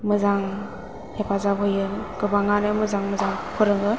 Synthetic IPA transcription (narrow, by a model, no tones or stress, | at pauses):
mɯzaŋ | hepʰazabɯjɯɡɯbaŋanɯmɯzaŋmɯzaŋkʰɯɾɯŋɯ